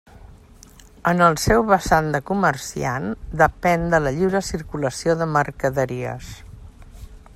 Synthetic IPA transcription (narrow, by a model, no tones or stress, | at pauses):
ənəlˠsɛwβəsand̪əkumərsḭand̪əpɛnd̪ələʎiwɾəsirkuləsioðəmərkəðəɾiə̰s